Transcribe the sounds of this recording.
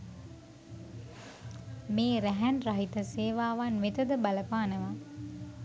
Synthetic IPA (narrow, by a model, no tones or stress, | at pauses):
meːɾæɦænraɦit̪əseːʋaːʋanʋet̪əd̪əbaləpaːnəʋa